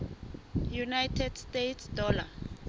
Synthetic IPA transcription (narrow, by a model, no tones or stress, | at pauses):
junajtʰɛd̥stetʰsdɔːla